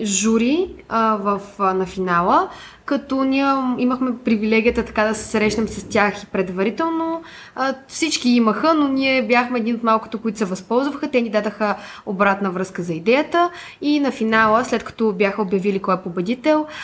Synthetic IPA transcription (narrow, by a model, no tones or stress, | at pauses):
ʒuɾivəfnɐfinalˠə | kɐt̪ɔnʲiɛiməxmɛpɾivilɛɡʲijət̪ət̪ɐ̥kad̪ɐsɛ̥sɾɛʃnɛmsɐst̪ʲjaxipɾɛd̪vɐɾit̪ɛlˠno | fsit͡ʃkiiməxənonʲiɛbjaxmɛɛd̪inot̪malˠkʊ̥t̪okʊit̪ʊ̥sɛvɐspɔlˠzvəxət̪ɛnid̪ad̪əxə | obɾat̪nəvɾɤskəzɐid̪ɛjət̪ə | inɐfinalˠəslɛt̪kɐ̥t̪ɔbjaxəobjɐvilikɔɛpobɛd̪it̪ɛlˠ